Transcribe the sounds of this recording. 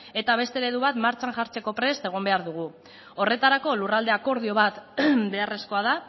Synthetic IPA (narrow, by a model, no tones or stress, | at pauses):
e̞t̪aβ̞e̞st̪e̞ɾe̞ðuβat̪maɾt͡ʃaŋʝaɾt͡se̞ko̞pɾe̞st̪e̞ɣ̞o̞mbe̞aɾðuɣ̞u | o̞re̞t̪aɾako̞lurald̪e̞ako̞ɾðio̞βat̪be̞are̞sko̞að̞a